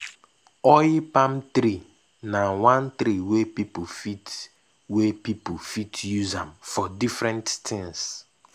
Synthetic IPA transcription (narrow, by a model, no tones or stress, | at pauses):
ɔjipãmt̪ɾi | nawãnt̪ɾiwepipufit | wepipufitjuzãmfɔdifɾɛ̃nttɪ̃ŋs